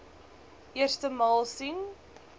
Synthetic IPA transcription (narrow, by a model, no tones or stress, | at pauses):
ʔiərstəmɑːlˠsin